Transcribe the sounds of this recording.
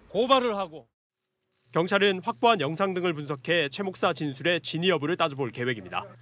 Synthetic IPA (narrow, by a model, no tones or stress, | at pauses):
kobaɾɯɭɦaɡo | kjʌŋt͡ɕʰaɾɯnɸwak̚p͈oɦanjʌŋsʰaŋdɯŋɯɭp̬unsʰʌkʰe̞t͡ɕʰwe̞mok̚s͈at͡ɕinsʰuɾe̞t͡ɕiɲiʌbɯɾɯɭt͈ad͡ʑuboɭke̞we̞ɡimɲida̰